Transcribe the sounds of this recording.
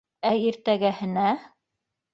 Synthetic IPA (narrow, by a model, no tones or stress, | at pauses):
æiɾt̪æɡæhɘ̆næ